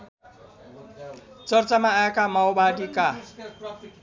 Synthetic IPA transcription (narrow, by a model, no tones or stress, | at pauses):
t͡sʌrt͡samaːekamawbaɽika